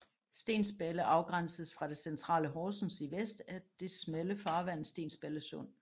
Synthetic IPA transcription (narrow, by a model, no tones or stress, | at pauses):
sd̥e̝̰ːnsb̥eləʔɑ̈ʊɡ̥ʁɑn̰səð̩ˠsfʁɑ̈d̥e̝sent͡sʰʁɑ̰̈ːləɦɒːsn̩siʋesd̥æɐd̥e̝smeləfɑ̈ːʋæn̰̩ˠsd̥e̝̰ːnsb̥eləsɔ̽n̰